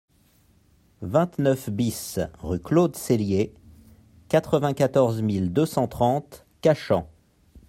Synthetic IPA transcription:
vɛ̃t̪nœfbisʁyklod̪selje | kat̪χəvɛ̃kat̪ɔʁzmild̪øsɑ̃t̪χɑ̃t̪ | kaʃɑ̃

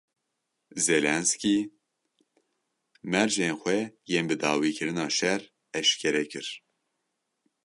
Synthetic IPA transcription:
zelɛnski | mɛɾʒeːnxʷɛjeːnbɨd̪ɑːwiːkʰɨɾɨnɑːʃɛɾ | ɛʃkʰɛɾɛkʰɨɾ

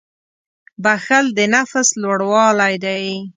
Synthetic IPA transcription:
baxəld̪ənafslwaɽwɑlajd̪aj

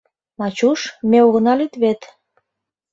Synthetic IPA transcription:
mɑt͡ɕuʃmeoɣənɑlyt̪βet̪

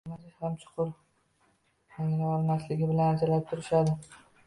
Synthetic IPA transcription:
mazɪhamt͡ʃʰʊ̥qʰʊɾ | jaŋʲlaɒlˠmaslɪɡʲɪbɪlanad͡ʒalap̚t̪ʰʊɾɪʃad̪ɪ

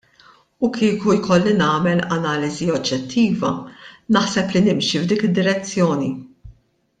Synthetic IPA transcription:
ukʰiːkujkɔlːinɐːmɛlɐnɐːlɪziɔd͡ʒːɛt̪ʰːiːvɐ̰nɐħsɛplinɪmʃivd̪iːkɪd̪ːɪɾɛt͡sːjɔːni

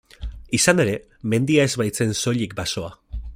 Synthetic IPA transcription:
isane̞ɾe̞ | me̞nd̪iae̞zβajt͡se̞nso̞ʎik̚baso̞a

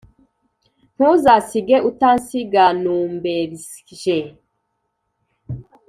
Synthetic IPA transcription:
n̥uzasiɡeʔutansiɡanuːmbeɾ | ʒe

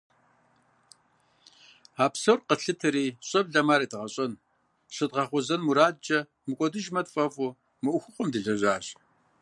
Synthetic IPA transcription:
aːpsɐwrqəɬɨtʰɨɾiːɕʼɐbɮɐmaːɾiːdɨʁɐɕʼɐn | ɕɨdʁɐχʷɔzɐnmuɾaːdd͡ʒɐ | mɨkʷʼɔdɨʒmɐtfʼɐfʼu | mɨʔʷʊxʷʊqʷʼɔmdɨɮɐʑʷaːɕ

